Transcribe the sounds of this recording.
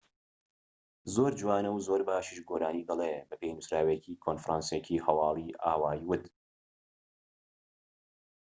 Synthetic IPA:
zoːɾd͡ʒwaːnɐwzoːɾbaːʃiːʃɡoːɾaːniːd̪ɐlebɐpʰejnusɾaːwecʰiːkʰonfɾaːnsecʰiːhɐwɑːlˠiːʔaːwaːjwʊt̪

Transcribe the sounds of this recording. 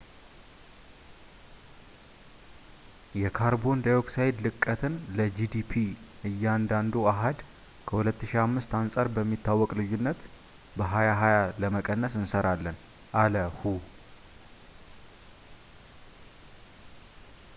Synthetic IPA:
jɛkʰaɾbo̞nd̪ajoksajd̪lɨkʼːət̪ʰɨnləd͡ʒid̪ipʰiʔɨjːɛand̪and̪uaɦad̪ | kʰəhulət̪ːɨʃiamːɨst̪ansʼaɾbəmːit̪ːawːɔkʼlɨjːunːət̪ | bəɦajaɦajaləməkʼənːəsɨnsəɾalːən | ʔaləhu

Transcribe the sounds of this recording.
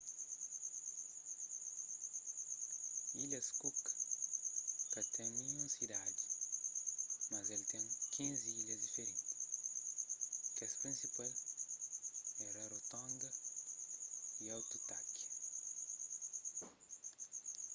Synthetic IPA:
ilɐskuk | kɐt̪ẽŋmĩũsid̪ad͡ʒi | mɐzelt̪ẽŋkʰĩnziilɐzd̪ifeɾẽnt̪i̥ | kespɾĩnsipal | ɛɾɐɾot̪õnd̪ɐ | iawt̪ut̪ak

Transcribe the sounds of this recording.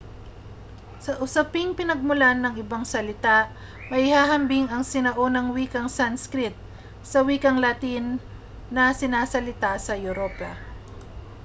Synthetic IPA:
sɐʔʊsɐpɪŋpɪnɐɡ̚mʊlanːɐŋʔɪbaŋsɐlɪt̪aʔ | mɐʔɪhaːɦɐmbɪŋɐŋsɪnɐʔo̞nɐŋwiːkɐŋsanskɾɪt̪̚ | sɐwiːkɐŋlɐt̪inː | ɐsɪnaːsɐlɪt̪asɐjʊɾopɐ

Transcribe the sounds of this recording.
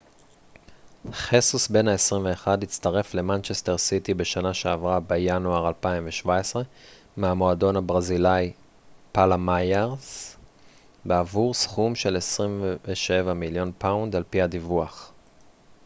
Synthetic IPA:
χesusbe̞naesʁimve̞ːχadit͡staʁe̞fle̞mant͡ʃeste̞ʁsitibe̞ʃanaʃe̞avʁabejanuaʁalpaimveʃvaesʁe̞ | meamo̞ado̞nhabʁazilaj | palamajeʁs | beavuʁsχumʃe̞le̞sʁimvveʃe̞vamiljo̞npawndalpihadivuaχ

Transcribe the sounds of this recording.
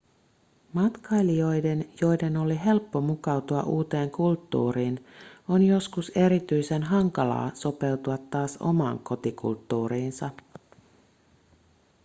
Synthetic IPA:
mɑt̪kɑjlio̞jde̞njo̞jde̞no̞liɦe̞lpːo̞mukɑwt̪uɑ̰ʔuːt̪e̞ːŋkult̪ːṵːɾiːno̞njo̞skuse̞ɾit̪yjse̞nɦɑŋkɑlɑ̰ːso̞pe̞wt̪uɑt̪ːɑːso̞̰mɑ̰ːŋko̞t̪ikṵlt̪ːuːɾiːnsɑ

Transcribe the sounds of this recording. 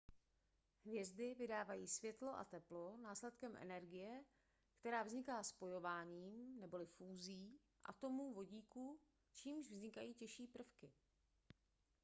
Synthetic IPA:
ɦvjɛzdɪvɪdaːvajiːsvjɛt̪lo̞ʔa̰t̪ɛplo̞naːslɛt̪kɛmʔɛ̰nɛɾɡɪjɛ | kt̪ɛɾaːvzɲɪkaːspo̞jo̞vaːɲiːmnɛbo̞lɪfuːziː | ʔa̰t̪o̞muːvo̞ɟiːku | t͡ʃiːmʒvzɲɪkajiːcɛʃiːpr̩fkɪ

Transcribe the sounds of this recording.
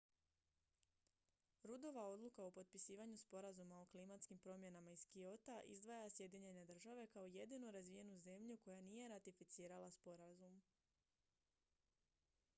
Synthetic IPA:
ɾud̪o̞ʋao̞d̪lˠukaopo̞t̪̚pisiːʋaɲuspo̞ɾazumaoklimat̪skimpɾo̞mje̞namaizkio̞t̪aʔḭzd̪ʋajasje̞d̪iɲe̞ɲne̞d̪r̩ʒaʋe̞kao̞je̞d̪inuɾazʋije̞nuze̞mʎuko̞janijeɾat̪ifit̪siːɾalaspo̞ɾazum

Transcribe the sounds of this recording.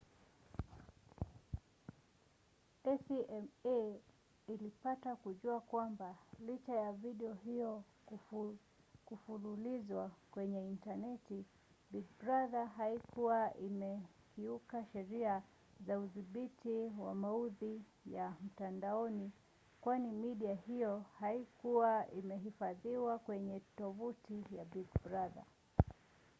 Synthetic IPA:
ɛsiʔɛme | ilipatakuʄuakwambalit͡ʃajaviɗɛɔɦijɔ | kufululizwakwɛɲɛintanɛti | bid̚bɾaðaɦaikʰuwaʔimɛ | kiukaʃɛɾia | zauðiɓitiwa̰mauði | jam̩tandaɔni | kwanimiɗiahijɔhaikuwaimɛɦifaðiwakwɛɲɛtɔvutijabiɡbɾaða̰

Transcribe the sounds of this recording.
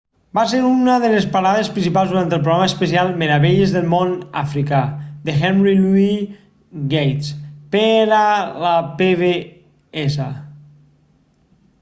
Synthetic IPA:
bas̬eɾunəðəlespaɾaðespɾinsipalˠzðuɾant̪əlˠp̬ɾoɣɾaməspəsialˠmeɾəβeʎezðəlˠmona̰fɾikad̪exɛnrilui | ɣejt̪speɾaləpeβe | ɛsa

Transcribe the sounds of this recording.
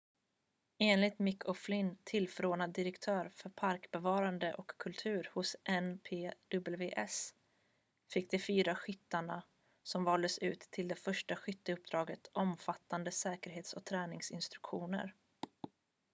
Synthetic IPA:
eːnlɪt̪mɪkːʰɔflɪnt̪ʰɪlfœɾoːnad̪ːɪɾəkt̪ʰœːɾfœɾpʰaɾkbɛvɑːɾand̪əʔɔkʰːɵlt̪ʰʉ̟ːɾhʊsʔɛnpʰeːd̪̥ɵbɛlveːʔɛs | fɪk̚ːd̪ɛfyːɾaɧʏt̪ːaɳa | sɔmvɑːld̪əsʉ̟ːt̪ʰːɪld̪ɛfœʂʈaɧʏt̪ːəɵp̚d̪ɾɑːɡət̪ʔɔmfat̪ːand̪əsɛːkəɾɦeːt̪sɔk̚t̪ʰɾɛːnɪŋsɪ̰nst̪ɾɵkɧuːnə̰ɾ

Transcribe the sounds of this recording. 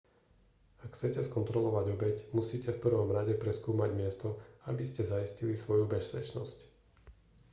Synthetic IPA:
akxt͡sɛcɛskɔnt̪ɾɔlɔʋaɟɔbɛcmusiːcɛfpr̩ʋɔmɾaɟɛpɾɛskuːmaɟmɪɛst̪ɔabiscɛzaiscilisʋɔjubɛspɛt͡ʃnɔ̰sc

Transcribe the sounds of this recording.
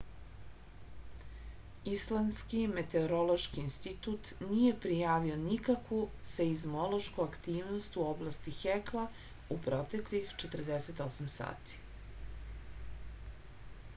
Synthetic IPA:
islˠanskime̞t̪e̞oɾo̞lo̞ʃkiːnst̪it̪ut̪nije̞pɾijaːʋio̞nikakʋuseizmo̞lo̞ʃkuakt̪iːʋnost̪uo̞blast̪ixekla | upɾo̞t̪e̞klixt͡ʃet̪ərd̪eset̪o̞samsa̰ːt̪i̥

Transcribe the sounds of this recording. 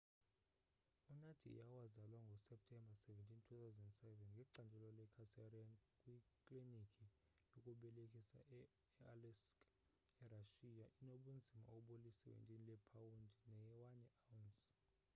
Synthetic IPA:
unad̥ʰʱḭṵjawazalwaŋɡʱɔsɛp̚tʰɛmbʱasɛvɛntʰʼintʰut̪ʰawzɛnddsɛvɛnŋɡʱɛǀandʱɛlɔlɛkʰasarankʼwikʼlinikʰʼi | jokʼuɓɛlekʼʰisa̰ɛ | ɛalɛsk | ɛraʃijaʔinoɓund͡zʱima̰oɓulisɛwɛ̰ntʼinilɛpʰawundʱinɛɛwanɛawns

